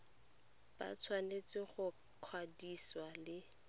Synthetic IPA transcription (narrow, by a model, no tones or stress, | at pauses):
ba̰t͡sʰwanet͡sʼɪχʊ | kʰwadiswalɪ